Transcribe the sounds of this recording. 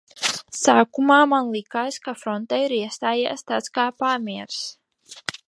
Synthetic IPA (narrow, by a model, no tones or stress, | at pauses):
saːkumaːmanlˠikaːskafɾɔnt̪ajiɾiɛst̪aːja̰ːst̪at̪skaːpaːmiɛɾs